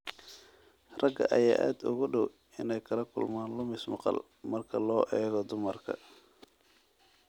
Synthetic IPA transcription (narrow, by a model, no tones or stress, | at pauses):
rɐɡɐ̰ʔɐja̰ːʔa̰ːd̪ʊ̰ɣʊɖɔw | ɪnɛjkʰɐlɐkʰʊlmaːnlʊmɪsmɑ̰qɑ̰l | mɐrkʰɐlɔːʔɛːɣɔd̪ʊmɐrkʰɐ̰